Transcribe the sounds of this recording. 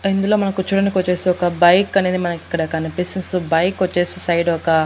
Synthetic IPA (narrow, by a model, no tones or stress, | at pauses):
ind̪ɐloːmɐnɐkːut͡ʃuɽɐnikɔt͡ʃːeːsiɔkːɐbɐjkːɐnend̪imɐnɐkːikːɐɽekːanɐpesinsubɐjkːɔt͡ʃːeːsisɐjɖɔkːa